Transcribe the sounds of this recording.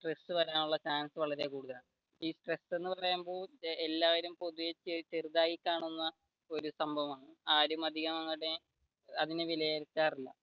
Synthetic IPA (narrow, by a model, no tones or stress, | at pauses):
sʈresːɨʋɐɾaːnuɭːɐt͡ɕaːnsɨʋɐɭɐɾekuːɽuðɐlaːɳɨ | iːsʈre̞sːe̞nːɨpɐrɐjumbo̞ːɭelːaːʋɐɾumpo̞ðujet͡ɕːet͡ɕeruðaːɣikʲːaːɳunːɐ | o̞ɾusɐmbʱɐʋɐmaːɳɨaːɾumɐd̪ʱiɣɐmɐŋːɐɽe | ɐðinɨʋilɐjalkːaːrilːɐ̰